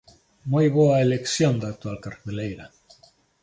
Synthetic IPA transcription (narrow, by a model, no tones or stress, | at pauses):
mojβoaeleksjond̪ak̚t̪ualkaɾpelejɾa